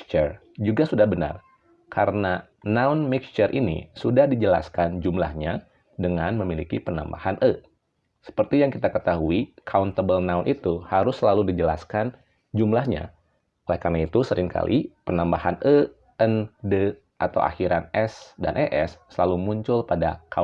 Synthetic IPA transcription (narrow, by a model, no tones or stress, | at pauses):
t͡ʃər | d͡ʒuɡasudahbəna̰r | kʰaɾəna | naʊnmikst͡ʃərʔinḭsudahdid͡ʒəla̰skand͡ʒumla̰hɲa | dəŋanməmilikipəna̰mba̰hanʔə | sə̥pərt̪ijaŋkit̪akət̪aɦuikʰaunt̪əbəlnaunʔit̪uhaɾʊsːəlaludid͡ʒəla̰skan | d͡ʒumlahɲa̰ | olɛhkarnait̪usəɾɪŋkʰa̰lʔḭpənambahanʔə | əndə | ʔat̪a̰wʔa̰xiɾanɛsda̰nʔeʔɛsːəlalumuɲt͡ʃʊlpada̰kʰa